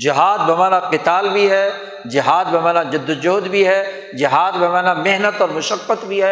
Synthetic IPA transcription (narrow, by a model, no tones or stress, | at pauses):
d͡ʒɪɦaːd̪bɐmaːnaqɪt̪aːlbʱiɦɛː | d͡ʒɪɦaːd̪bɐmaːnad͡ʒʊd̪ːʊd͡ʒoːd̪bʱiɦɛː | d͡ʒɪɦaːd̪bɐmaːnameɦnət̪ɔːɾmʊʃəkːət̪bʱiɦɛː